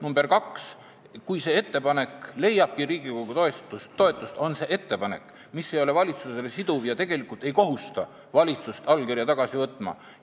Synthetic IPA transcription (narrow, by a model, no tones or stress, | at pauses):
numb̥e̞rkɑks | kujse̞ːe̞t̪ːe̞pɑne̞kle̞jːɑb̥̚kiɾiːɡikoɡut̪o̞est̪ust̪ːo̞e̞t̪ːˑust̪o̞nse̞ːʔe̞t̪ːe̞pɑne̞̰kː | misːe̞jo̞le̞vɑlʲit̪suse̞le̞sid̪uvjɑt̪e̞ɡ̥e̞likːˑult̪e̞jko̞ɦust̪ɑ | vɑlʲit̪sust̪ɑlkirjɑt̪ɑɡ̥ɑsivɤt̪ːˑmɑ̰